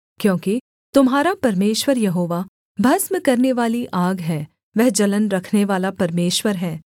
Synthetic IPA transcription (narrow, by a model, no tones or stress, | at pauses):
kjõːki | t̪ʊmɦaːɾapɐɾmeːʃwəɾjɐɦoːʋa | bʱɐsməkɐɾneʋaːliʔaːɡɦɛː | ʋɛɦd͡ʒɐlənɾɐkʰneʋaːlapɐɾmeːʃwəɾɦɛː